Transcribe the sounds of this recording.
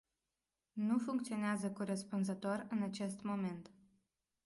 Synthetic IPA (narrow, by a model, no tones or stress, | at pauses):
nufuŋk̚t̪sio̞neazəkoɾəspunzət̪o̞rɨnat͡ʃe̞st̪mo̞me̞nt̪